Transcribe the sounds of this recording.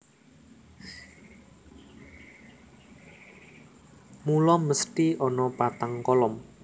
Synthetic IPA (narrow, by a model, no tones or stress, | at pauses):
mulɔməst̪iɔnɔpat̪aŋkɔlɔm